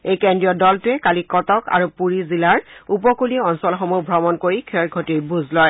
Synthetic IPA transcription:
ejkɛndɹijɔdɔltʊɛkalikɔtɔka̰ɹupuɹizilaɹup̬ɔkuliɛɔnsɔlxɔmubʱɹɔmɔnkoɹikʰɛɹɡʱɔtiɹbuzlɔj

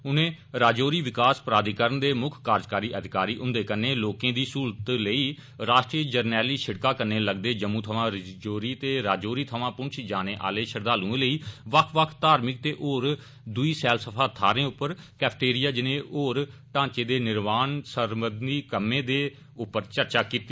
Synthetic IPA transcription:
ʊnẽː | ɾaːd͡ʒoːɾiːʋɪkaːspəɾaːd̪ikəɾənd̪eːmʊkʰkaːɾd͡ʒkaːɾiːʔəd̪ʱɪkaːɾiːʔʊ̃nd̪eːkəneːloːkẽːd̪iːsuːɾt̪ləiː | ɾaːʃʈɾiːəd͡ʒəɾnɛːliːʃɪɽkaːkəɾneːləɡd̪eːd͡ʒəmːũːt̪ʰəʋãːɾɪd͡ʒoːɾiːt̪eːɾaːd͡ʒoːɾiːt̪ʰəʋãːpʊ̃nt͡ʃʰd͡ʒaːneːʔa̰ːleːʃəɾd̪aːlũːẽːləiːʋəkʰʋəkʰt̪aːɾmɪk̚t̪eːʔoːɾ | d̪ʊiːsɛːlsəpʰaːt̪ʰaːɾẽːʊpːəɾkɛːpʰʈeːɾɪjaːd͡ʒɪnẽːʔoːɾʈãːt͡ʃeːd̪eːnɪɾmaːnsəɾməd̪niːkəmːẽːd̪eː | ʊpːəɾt͡ʃəɾt͡ʃaːkiːt̪i

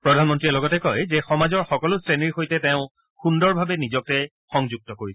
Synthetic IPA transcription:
pɹɔdʱanmɔntɹiɛlɔɡɔtɛkɔjzɛxɔmazɔɹxɔkɔlʊstɹeniɹxojtɛtɛʊ̃ | xundɔɹbʱabɛnizɔk̚tɛ | xɔŋzuk̚tɔkoɹis

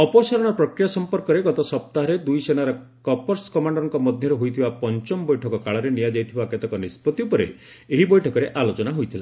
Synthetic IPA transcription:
ɔpɔsaɾɔɽ̃ɔpɾɔkɾijasɔmpɔɾkɔɾeɡɔt̪ɔsɔp̚t̪aɦɔɾed̪ujsenaɾɔ | kɔpɔɾskɔmaɳɖɾɔŋkɔmɔd̪ʱjɔɾeɦojt̪ʰibapɔnt͡ʃɔmbɔjʈʰɔkɔkaɭɔɾenijad͡ʒajt̪ʰibaket̪ɔkɔnispɔt̪iupɔɾḛ | eɦibɔjʈʰɔkɔɾeʔalot͡ʃɔnaɦojt̪ʰila̰

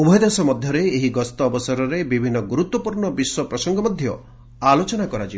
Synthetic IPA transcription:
ubʱɔjd̪esɔmɔd̪ʱjɔɾeːɦiɡɔst̪ɔːbɔsɔɾɔɾebibʱinːɔɡuɾut̪wɔpuɾɳɔbiswɔpɾɔsɔŋɡɔmɔd̪ʱjɔ | alot͡ʃɔnakɔɾad͡ʒi

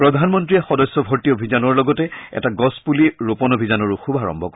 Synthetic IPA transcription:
pɹɔdʱanmɔntɹiɛxɔdɔsːɔbʱɔɹtiobʱizanɔɹlɔɡɔtɛɛ̰taɡɔspuliɹopɔnobʱizanɔɹuxubʱaɹɔ̰mbʱɔk

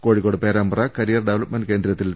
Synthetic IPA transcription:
koːɻikːoːɽɨpeːɾaːmbɐrɐkɐɾijɐrɖeʋɐlɐpmɐnke̞ːnd̪ɾɐt̪ːil

